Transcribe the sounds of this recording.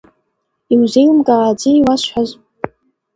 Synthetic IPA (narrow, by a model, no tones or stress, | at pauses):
iwzejlmkʼaaːd͡ziwasħʷaz